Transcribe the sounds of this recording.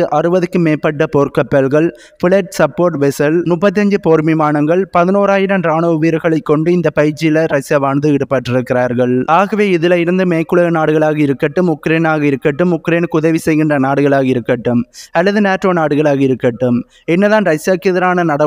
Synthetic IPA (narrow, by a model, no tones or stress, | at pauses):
ɯʔɐrɯbɐðɯkːɯmeːpːɐʈːɐpoːɾkɐpːɛlɣɐɭ | fɪɭɛʈsɐpːoːɾʈʋɛsɐlmʊpːɐt̪̬ːɪɐɲd͡ʒɯpoːɾmimaːɳɐŋɡɐɭpɐðɪnoːɾaːjɪɾɐmɾaːnɐʊʋiɾɯɣɐɭɐɪkːɔɳɖɯɪnd̪ɐpɐjɪɾt͡ʃːɪjɪlɐɾɐsjaːʋaːɳd̪ɯɪɽɯpːɐːʈːɪɾɯkːɪɾaːɾɣɐɭaːɣɐʋeːɪðɪlɐɪɾɯnd̪ɯmeːkːɯɭɐɐnaːɽɯɣɐɭaːɣɐɪɾɯkːɐʈːɯmʊkːɾeːnaːɣɐɪɾɯkːɐʈːɯmʊkɾeːnkʊðɐʋisɛjɣɪndrɐnaːɽɯɣɐɭaːɣɐɪɾɯkːɐʈːɯmɐlːɐðɯneːʈːɾoːnaːɽɯɣɐɭaːɣɐɪɾɯkːɐʈːɯm | ɛnːɐðaːnɾɐsjaːkːɪðɐɾaːnɐnɐɽɐ